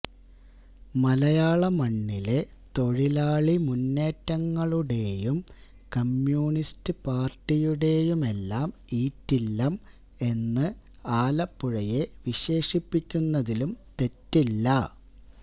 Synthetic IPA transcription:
mɐlɐjaːɭɐmɐɳːile̞ | t̪o̞ɻilaːɭimunːe̞ːtːɐŋːɐɭuɽe̞jum | kɐmjuːɳistɨpaːrʈːijuɽe̞jume̞lːaːmiːtːilːɐm | e̞nːɨ | aːlɐpːuɻɐje̞ʋiɕe̞ːʂipːikʲːunːɐðilumt̪e̞tːilːɐ

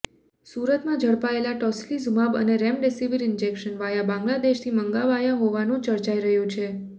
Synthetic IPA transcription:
suɾət̪mãd͡ʒʱəɽpaelaʈɔslizumabə̰neɾɛmɖesiʋəɾɪnd͡ʒekʃənʋajabãŋɡlad̪eʃt̪ʰiməŋɡaʋajaɦoʋanũt͡ʃəɾt͡ʃaiɾəɦjũt͡ʃʰe

